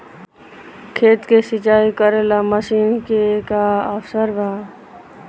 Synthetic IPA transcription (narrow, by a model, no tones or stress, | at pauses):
kʰeːt̪keːsɪt͡ʃaːiːkəɾeːlaːməsiːnkekaːəfsəɾbʱaː